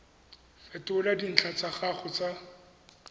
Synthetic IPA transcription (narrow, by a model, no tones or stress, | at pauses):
fɛtʊladin̩t͡ɬʰat͡saχaχʊt͡sa